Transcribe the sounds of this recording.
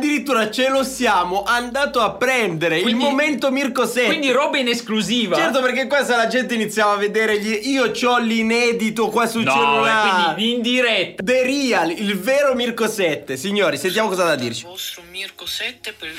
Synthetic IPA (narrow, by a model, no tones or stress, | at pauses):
ad̪ːiɾit̪ːuːɾat͡ʃelosjaːmoʔand̪aːt̪oapːɾɛnd̪eɾeilmoment̪omirkosɛwind̪iɾɔːbaineskluziːvat͡ʃɛrt̪operk̬ek̬ːwest̪alad͡ʒɛnt̪̬einit̪sːjaːvavːed̪eːɾeʎiʔiːot͡ʃɔlinɛːd̪it̪okwasut͡ʃɛnonaind̪iɾɛtt̪ːd̪eɾiːalilveːɾomirkosɛt̪ːesiɲːoːɾisent̪jaːmokɔːzad̪ad̪ːḭrt͡ʃimirksɛt̪ː